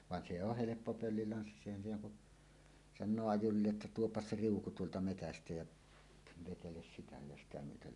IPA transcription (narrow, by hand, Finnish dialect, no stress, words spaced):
ʋɑn se oh helepːo pølːilɑnsːisːɑ eˑihæn siːnæ ku sɑnˑoː ɑjurilːe ʔetːæ tuopːɑs se riuku tuoltɑ metæstæ jæ ʋeteles sitæ jɑ sitæ myøtel